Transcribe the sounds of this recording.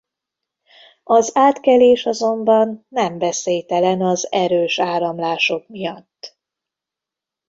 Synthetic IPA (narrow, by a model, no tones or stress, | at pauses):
ɒzaːt̪kɛleːʃɒzo̞mbɒnːɛmvɛseːjt̪ɛlɛnɒzɛɾøːʃaːɾɒmlaːʃo̞kmijɒt̪ː